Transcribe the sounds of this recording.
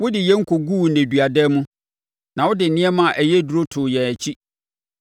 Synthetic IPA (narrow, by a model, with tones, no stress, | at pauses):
wʊ˦dɪ˨jɛ˦ŋ̩˦kʰo˨ɡuː˦nẽ˨dɥa˨dɛ˦mũ˦ | nã˨wʊ˦dɪ˨n̩˨nɪ̃˦ɛ˦mã˨ʔæ˨jɛ˦du˨ɾo˦tʰʊ˨jɛ̃˨æ˨t͡ɕʰi˦